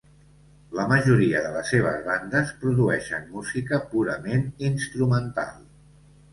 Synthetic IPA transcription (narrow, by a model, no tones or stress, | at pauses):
ləməʒuɾiəðələseβ̞əzβand̪əspɾuðuɛʃə̰nmuzikəpuɾəmeninst̪ɾumənt̪a̰lˠ